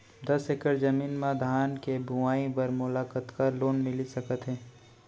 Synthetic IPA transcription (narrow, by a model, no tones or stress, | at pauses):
d̪ɐsɪkəɾd͡ʒɐmiːnmãd̪ʱaːnkebʱʊʋaːĩpɐɾmʊlaːkət̪kaloːnmɪlisɐkət̪ɦɛː